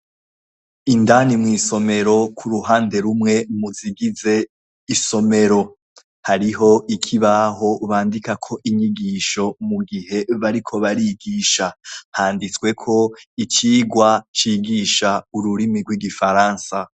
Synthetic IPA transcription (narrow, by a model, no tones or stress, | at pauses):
indanimŋiːso̞me̞ɾo̞kʰuɾuɦaːnde̞ɾumŋe̞muziɡize̞ | iso̞me̞ɾo̞ | haɾiɦo̞ʔikʰiβaɦo̞βaːndikakʰo̞ʔiɲiɡiʃo̞muɡihe̞βaɾikʰo̞βaɾiɡiːʃahaːndit͡swe̞kʰo̞it͡ʃiːɡwat͡ʃiːɡiʃauɾuɾimiɾɡwiɡifaɾaːnsa